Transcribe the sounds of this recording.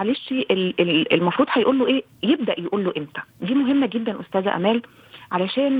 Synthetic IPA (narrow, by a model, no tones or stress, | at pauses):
aleːʃiʔeleelmɑfɾuːd̪hæjʔuːlːoʔeː | jeb̚d̪æʔjeʔuːlːoʔemt̪æ̥d̪iːmoɦemːæɡed̪ːænʔost̪æːzæ̰ʔæ̰mæːl | ʕalæʃæːn